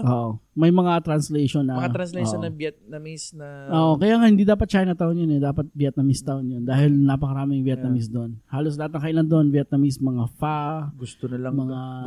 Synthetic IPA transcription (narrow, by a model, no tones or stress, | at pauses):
ʔoʔomɐjmɐŋat̪ɾɐnslɛjʃonːɐmɐaɾɐnslɛonɐbjɛt̪̚nɐmisnɐʔoːʔokɐjaːŋahɪnd̪iːd̪aːpɐt̪̚t͡ʃaːjɪnɐt̪aʔonjonɛd̪aːpɐt̪̚bjɛt̪̚nɐmɪst̪aʔonjond̪aːhɪlnɐpɐkɐɾaːmɪŋbjɛt̪nɐmɪs̬d̪onhaːlos̬lɐhat̪nɐŋkɐʔɪland̪oʔonbjɛt̪̚nɐmismɐŋafaɡʊst̪onɐlɐŋmɐŋa